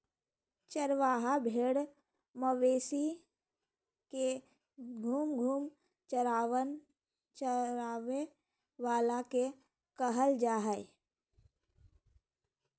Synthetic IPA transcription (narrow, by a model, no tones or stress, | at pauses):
t͡ʃəɾʋaːɦabʱeːɽ | məʋeːsi | ke | ɡʱuːmɡʱuːm | t͡ʃəɾaːʋən | t͡ʃəɾaːʋe | ʋaːlake | kəɦəld͡ʒaːɦəɪ